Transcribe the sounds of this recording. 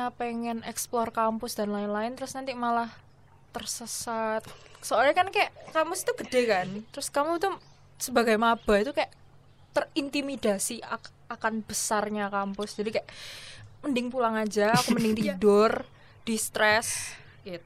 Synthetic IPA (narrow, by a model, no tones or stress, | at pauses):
apeŋɛnɛksplɔrkampʊsdanlaɪnlaɪnt̪əɾʊsnant̪imalah | t̪ərsəsat̪̚soalɲakankajaʔkampʊst̪uɡ̥ədekant̪əɾʊskamut̪u | səbaɡajmab̥a̤it̪ukajaʔ | t̪ərint̪imidasia | akanb̥əsarɲakampʊsd͡ʒadikajaʔməndɪŋpulaŋad͡ʒaakuməndɪŋt̪idʊr | d̥ist̪ɾɛs | it̪